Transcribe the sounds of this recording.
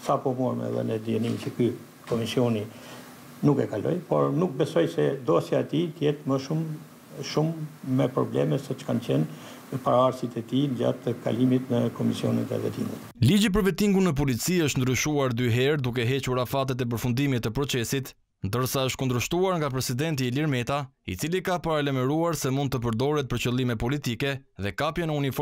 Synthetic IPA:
sapɔmuɾmɛ̰ɛ̰ðɛ̰nɛd̪iɛnimit͡ʃəky | kɔmisiɔni | nukɛkalɔ̰jpɔ̰ɾnuk̚bɛsɔjsɛd̪ɔsjaːt̪it̪əjɛt̪məʃum | ʃumːɛpɾɔ̰blɛ̰mɛsɔt͡ʃə̥kant͡ɕɛn | paɾaaɾsit̪ɛt̪ind͡ʑa̰t̪əka̰limit̪nəkɔmisjɔ̰nḭnɛ̰vɛ̰t̪ḭŋɡut̪lid͡ʑip̬əɾvɛt̪iŋɡunəp̬ɔlit͡siəʃt̪nd̪ɾyʃuaɾd̪yɦɛɾd̪uk̬ɛɦɛt͡ɕuɾafat̪̬ɛt̪̬ɛp̬əɾfund̪imit̪əpɾɔt͡sɛsit̪ | nd̪əɾsaəʃt̪̚kund̪ɾəʃt̪uaɾŋɡap̬ɾɛsid̪ɛnt̪iːliɾmɛt̪aḭt͡silikapaɾalɛmɛɾuaɾsɛmund̪t̪əp̬əɾd̪ɔɾɛt̪̚pəɾt͡ɕəlˠimɛpɔlit̪ikɛðɛkapjɛnəunifɔ

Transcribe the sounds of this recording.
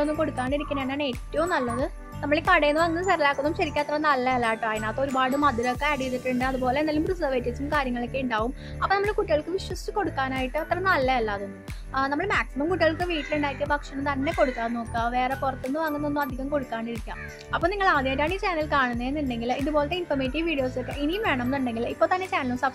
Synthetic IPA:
onːumko̞ɽukːaːɳiɾikʲːɐnːeɳaːɳe̞ːtːɐʋumnɐlːɐðɨ | nɐmːɐɭikɐɽejenːɨʋaːŋːunːɐsɐrilaːkːunːumɕɐɾikʲːaɐt̪rɐnɐlːɐjɐlːaːjiʈːɨaːjinaːt̪ːo̞ɾubaːɽɨmɐd̪ʱiɾɐokːeɐɽijt̪ːiʈːɨɳɖɨɐðubo̞ːlenːaːlumprɨs̬ɐːʋeːtːisumkaːɾjɐŋːɐɭokːeuɳɖaːʋum | ɐpːonɐmːɐɭkuʈːiɣɐɭkːɨʋiʂwɐstɨko̞ɽukːaːnaːjiʈːɨɐt̪rɐnɐlːɐjɐlːaːðunːɨ | nɐmːɐɭmaːksimɐmkuʈːiɣɐɭkːɨʋiːʈːiluɳɖaːjikːɨbɐkʂɐɳɐmt̪ɐnːe̞ko̞ɽukːaːrno̞ːkːaʋe̞ːrepurɐt̪ːunːɨʋaːŋːunːo̞nːumɐd̪ʱikʲːɐmko̞ɽukːaːɳiɾikʲːa̰ːm | ɐpːoːniŋːɐɭaːd̪ʱjɐmːtːaːɳiːt͡ɕaːnɐlkaːɳunːɐenːuɳɖe̞ŋɡiliðubo̞ːlɐt̪ːeinfɐrmeːʈːiʋʋiːɽijo̞ːslokːeʔinijumʋeːɳɐmenːuɳɖe̞ŋɡilipːo̞ːt̪ɐnːet͡ɕaːnɐlumsɐb

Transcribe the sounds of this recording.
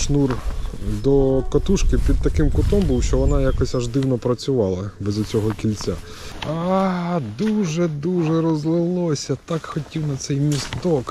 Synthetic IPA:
ʃnurd̪ɔkɐt̪uʃkɪpʲid̪̚t̪ɐkɪmkʊt̪ɔmbuwʃt͡ʃɔʋɔnɑjakɔsʲaʒd̪ɪwnɔpɾɐt͡sʲʊʋɑlˠɐbɛzʊt͡sʲɔɦɔkʲilʲt͡sʲa | ad̪uʒɛd̪uʒɛɾɔzlˠɪlˠɔsʲɐt̪ɑkxɔtʲiwnɐt̪sɛjmʲist̪ɔk

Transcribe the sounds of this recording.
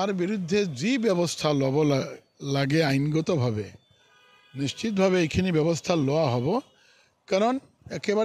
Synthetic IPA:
aɾbiɾud̪ʱːed͡ʑibɛbost̪ʰalɔbo | laɡeajnɡɔt̪obʱabe | nist͡ʃit̪̬̚bʱabeejkʰinibɛbost̪ʰalɔaɦɔbo | kaɾon | ɛkeba

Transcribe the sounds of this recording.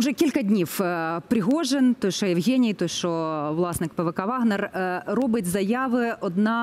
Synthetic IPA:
ʊʐɛkʲilʲkɐdʲnʲifpɾɪɣoʐɛnt̪osʲʃʂɔjɛwɣʲenʲɪjt̪osʲʃʂɔvlˠɑsnɨk̚pɛʋɛkɐʋaɣnɛrrɔbɨtʲzɐjaʋɨɔd̪na

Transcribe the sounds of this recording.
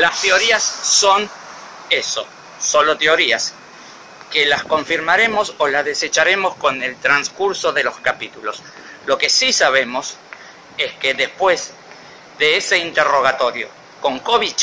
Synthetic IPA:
last̪eo̞ɾiasːo̞n | eso̞̰ | so̞lot̪eo̞ɾia̰s | kelasko̞ɱfiɾmaɾe̞mo̞solazðe̞se̞t͡ʃaɾe̞mosko̞ne̞lt̪ɾanskuɾso̞ðe̞lo̞skapit̪ulo̞s | lo̞ke̞sisaβ̞e̞mo̞s | e̞ske̞ðespwe̞z | ðe̞ese̞int̪ero̞ɣ̞at̪o̞ɾjo̞̰ | ko̞ŋkoβit͡ʃ

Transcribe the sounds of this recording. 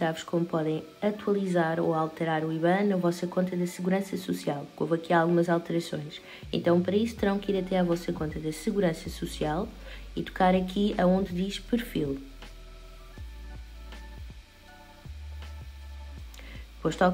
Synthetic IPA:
saβʃkomupɔðɐ̃j̃ | ɐt̪wɐlˠizaɾoalˠt̪ɨɾaɾuiβɐ̃nɐvɔsɐkõnt̪ɐðɐsɨɣuɾɐ̃sɐsusialˠkomɐkiaːlˠɣumɐzalˠt̪ɨɾɐsõ̰j̃ʃ | ḛ̃nt̪ɐ̃w̃pɐɾɐisu̥t̪ɨɾɐ̃w̃kiɾɐt̪ɛavɔsɐkõnt̪ɐðɐsɨɣuɾɐ̃sɐsusialˠ | it̪u̥kaɾɐkʰiɐõnd̪ðiʃpɨɾfilˠ | d̪ɨpojʃt̪ɔ

